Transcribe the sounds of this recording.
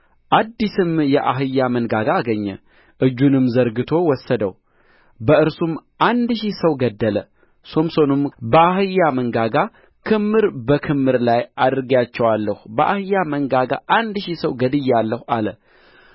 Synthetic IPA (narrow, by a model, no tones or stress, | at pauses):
ʔad̪ːisɨmjɛʔaɦɨjːamənɡaɡaːɡəɲːɛ̰ | ʔɨd͡ʒːunɨmzəɾɡɨt̪ʰo̞wɔsːəd̪ə̰w | bəɨɾsumʔand̪ʃisəwɡəd̪ːələ | so̞mso̞numbəaɦɨjːaməŋɡaɡa | kʰɨmːɨɾbəkʰɨmːɨɾlajad̪ɾɨɡat͡ʃːɛwalːəhubəʔahɨjːaməŋɡaɡa̰ʔand̪ʃisəwɡəd̪ɨjːalːəhalə